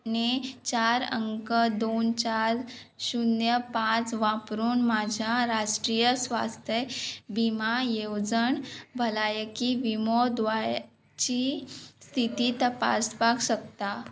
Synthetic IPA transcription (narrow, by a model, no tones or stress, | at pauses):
nit͡ɕaɾə̰ŋkəd̪ont͡ɕaɾ | ɕunjəpãt͡sʋapɾuːnmad͡ʑʱjaɾaʂʈɾijəsʋa̰st̪ʰjəbimajewd͡zəɳbʱəlajəkiʋimɔd̪ʋaj | t͡ɕist̪ʰit̪iːt̪əpa̰spakɕək̚t̪a